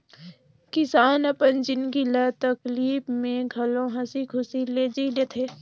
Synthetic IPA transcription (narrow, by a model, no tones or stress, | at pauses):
kɪsaːnɐpənd͡ʒɪnɡilɐt̪ɐkliːbmẽɡʱɐlõɦɐsikʰʊsileːd͡ʒilet̪ʰeː